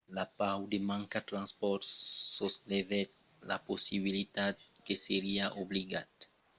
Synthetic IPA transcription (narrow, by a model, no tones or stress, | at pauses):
lapawd̪emãŋkat̪ɾãnspɔɾsoslevɛt̪ | la̰posiβilit̪at̪̚keseɾiaʔobliɡat̪